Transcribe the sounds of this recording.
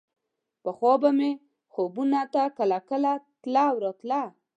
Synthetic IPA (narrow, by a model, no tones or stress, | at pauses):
pəxwɔbame | xobunat̪akəlakəlat̪lawɾɔt̪la